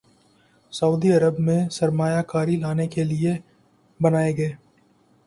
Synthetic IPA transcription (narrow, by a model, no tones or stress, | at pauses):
sɐuːd̪iɐɾəbmẽsɐɾmaːjakaːɾilaːnekelie | bɐnaːeɡɐeː